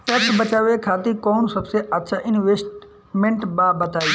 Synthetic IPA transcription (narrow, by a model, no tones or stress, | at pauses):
feːkʈbət͡ʃaːʋekʰaːt̪ikoːnsɐbseʔɐt̪ːʃʰaʔɪnʋesʈ | mẽɳʈbaːbɐt̪aːi